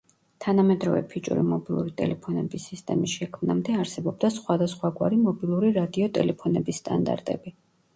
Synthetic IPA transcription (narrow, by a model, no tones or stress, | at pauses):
t̪ʰanamɛd̪ɾɔvɛ̰pʰit͡ʃʼṵɾḭmɔbilˠṵɾit̪ʼɛ̰lɛpʰɔnɛbisːist̪ʼɛmisʃɛkʰmnamd̪ɛaɾsɛbɔb̚d̪asχwad̪asχwaɡwaɾimɔbilˠuɾiɾad̪iɔt̪ʼɛlɛpʰɔnɛbisːt̪ʼa̰nd̪a̰ɾt̪ʼɛbi